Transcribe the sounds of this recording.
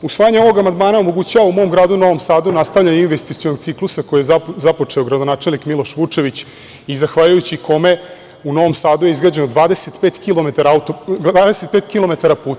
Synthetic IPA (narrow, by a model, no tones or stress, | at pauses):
usʋaːjaɲeo̞ʋo̞ɡamand̪maːnaomo̞ɡut͡ɕaʋaumo̞mɡɾaːd̪uno̞ʋo̞msaːd̪unast̪aʋʎainʋest̪it̪sionoɡ̚tsiklusako̞jijezapo̞t͡ʂeoɡɾad̪onaːt͡ʃelnikmilo̞ʃʋut͡ʂe̞ʋit͡ɕ | izaxʋaːʎujut͡ɕikʰo̞me̞ | uno̞ʋo̞msaːd̪ujeizɡɾaːd͡ʑe̞nod̪ʋaːd̪e̞set̪peːt̪kilomet̪aɾaut̪oaːd̪eset̪̚peːt̪kilo̞me̞t̪aɾapuːt̪a